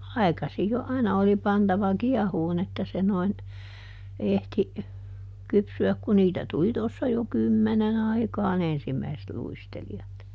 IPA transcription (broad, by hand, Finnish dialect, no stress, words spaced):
ɑi̯kɑsij jo ɑinɑ oli pɑntɑʋɑ kiɛhuːn etːæ se noin ehti kypsyæk ku niːtæ tuli tosːɑ jo kymːenen ɑikɑːn ensimːæiset luisteliɑt